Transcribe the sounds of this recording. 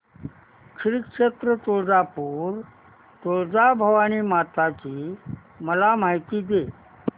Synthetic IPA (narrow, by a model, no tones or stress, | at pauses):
kɾikʂet̪ɾət͡s̪oɭd͡zapuːɾ | t̪oɭd͡zabʱəʋaniːmat̪at͡ɕiː | məlamaɦit̪iːd̪e